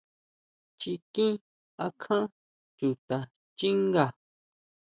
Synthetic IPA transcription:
t͡ʃi˧kĩ˦ | a˧kʰã˦ | t͡ʃu˨t̪a˨ | t͡ʃi˦ŋɡa˨

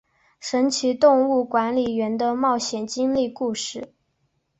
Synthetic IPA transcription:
ʂə˧˥nt͡ɕʰi˧˥t̪ʊ˥˧ŋu˥˩kwa˧˥nli˨˩ɥɛ˧˥nd̪ə˧mɑ˥˩ʊɕjɛ˨˩nt͡ɕi˥ŋli˥˧ku˥˧ʂɻ̩˥˩

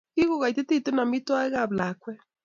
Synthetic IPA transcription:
ki˦ɣo˦˨ɣa˨i˨te˦te˦˨te˦na˨mi˦twa˦e˦ɣa˦˨bla˨˦kwɛ˦

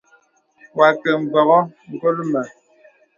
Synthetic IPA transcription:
wa˨kɛ˨m̩˨bɔ˨ɣɔ˦ŋ̩˨kɔ˦lə˦mə˨

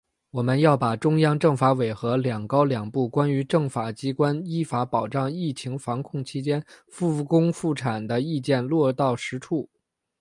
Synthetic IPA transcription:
wɔ˨˩mə˦njɑ˥˩ʊpa˨˩ʈ͡ʂʊ˥ŋjɑ˥ŋʈ͡ʂɤ˥˩ŋfa˧˥we˨˩ɪxɤ˧˥ljɑ˨˩ŋkɑ˥ʊljɑ˨˩ŋpu˥˩kwa˥ny˧˥ʈ͡ʂɤ˥˩ŋfa˨˩t͡ɕi˥kwa˥ni˥fa˧˥pɑ˨˩ʊʈ͡ʂɑ˥˧ŋi˥˩t͡ɕʰi˧˥ŋfɑ˧˥ŋkʰʊ˥˩ŋt͡ɕʰi˥t͡ɕjɛ˥nfu˥˩kʊ˥ŋfu˥˩ʈ͡ʂʰa˨˩nd̪ə˦i˥˧t͡ɕjɛ˥˧nlwɔ˥˧t̪ɑ˥˩ʊʂɻ̩˧˥ʈ͡ʂʰu˥˩

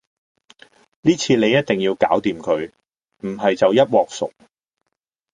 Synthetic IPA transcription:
niː˥t͡sʰiː˧ne˨˧jɐ˥t̚t̪ɪ˨ŋjiː˧wka̰ː˨˥wt̪iː˨mkʰɵ˨˧ɥ | m̩˨˩ɦɐ˨jt͡sɐ˨wjɐ˥t̚wɔː˨k̚sʊ̰˨k̚

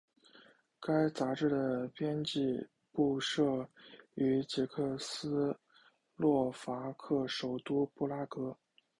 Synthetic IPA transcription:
ka˥ɪt͡sa˧˥ʈ͡ʂɻ̩˥˩d̪ə˩pjɛ˥nt͡ɕi˥˧ | pu˥˧ʂɤ˥˩y˧˥t͡ɕi˧˥kʰɤ˥˩sɹ̩˥ | lwɔ˥˩fa˧˥kʰɤ˥˩ʂo˨˩ʊt̪u˥pu˥˩la˥kɤ˥

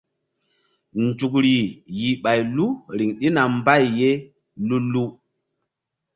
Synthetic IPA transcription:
nd͡ʒu˨kɾi˨ji˨ɓa˨jlu˦ɾi˨ŋɗi˦na˨mba˦˨jːe˦ | lu˦lu˦

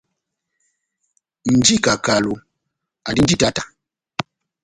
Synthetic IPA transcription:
n̩˨d͡ʒi˦˨ka˨ka˨lo˨ | a˨di˦n̩˦d͡ʒi˦ta˦tḁ˨

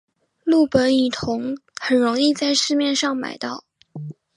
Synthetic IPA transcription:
lu˥˩pə˧˥ni˨˩t̪ʰʊ˧˥ŋxə˨˩nɻʊ˧˥ŋi˥˧t͡sa˥˧ɪʂɻ̩˥˧mjɛ˥˧nʂɑ˥˩ŋma̰˨˩ɪt̪ɑ˥˩ʊ

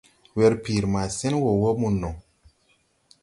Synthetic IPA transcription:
wɛ˧ɾpiː˨ɾma˨sɛ˦nwo˨wo˦mu˨nːɔ˨

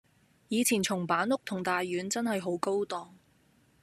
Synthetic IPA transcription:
jiː˨˧t͡sʰiː˨˩nt͡sʰʊ˨˩ŋpaː˨˥nʊ˥k̚t̪ʰʊ˨˩ŋt̪aː˨jːyː˨˥nt͡sɐ˥nhɐ˨jɦo˨˥wko˥wt̪ɔː˨˩ŋ

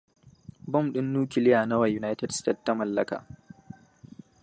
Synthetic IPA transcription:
bɔ˦˨mɗɪ˦nːuː˦kʲɪ˨lɪ˦jaː˨nɐ˦wa˨juː˦na˦jtɛ˨dste˦˨tːa˦mɐ˨lːɐ˦ka̰ː˨

